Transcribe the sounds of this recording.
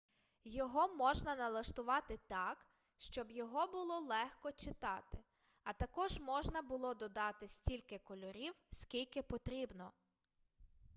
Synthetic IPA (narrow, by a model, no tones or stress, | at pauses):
jɔɦɔmɔʒnɐnɐlˠɐʃt̪ʊʋɑt̪ɪt̪ɑk | ʃt͡ʃɔbjɔɦɔbʊlˠɔlˠɛxkɔt͡ʃɪt̪ɑt̪ɪ | ɐt̪ɐkɔʒmɔʒnɐbʊlˠɔd̪ɔd̪ɑt̪ɪsʲtʲilʲkɪkɔlʲɔɾʲiwsʲkʲilʲkɪpɔt̪ɾʲibnɔ